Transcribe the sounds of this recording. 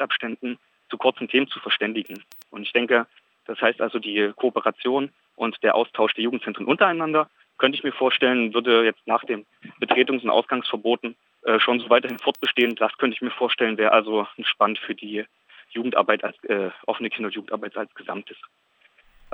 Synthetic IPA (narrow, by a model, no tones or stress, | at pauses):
tʔapʃtɛndn̩ | t͡sukʰʊɐt͡sn̩tʰeːmənt͡sufɛɐʃtɛndɪɡŋ̩ | ʔʊntɪçd̥ɛŋkə | d̥ashaɪstʔalzodiːkʰoːpəʁat͡sjoːn | ʔʊntd̥eːɐʔa̰ʊstʰaʊʃd̥eːɐjuːɡŋ̩tt͡sɛntʁənʔʊntɐaɪnandɐ | kʰœntəɪçmiːɐfoːɐʃtɛlənvʏɐdəjɛt͡stnaːχd̥eːm | b̥ətʁ̥eːtʊŋsʊntʔa̰ʊsɡ̥aŋsfɛɐboːtn̩ | ʔɛːʃoːnzoːvaɪtɐɦɪnfɔɐt̚b̥əʃteːənd̥askʰœntəɪçmiːɐfoːɐʃtɛlənvɛːʁəʔalzon̩ʃpanəntfyːɐdiː | juːɡŋ̩tʔa̰ɐbaɪta̰lsʔɛːʔɔfənəkʰɪndɐʊntjuːɡŋ̩tʔaɐbaɪta̰lsɡ̥əza̰mtəs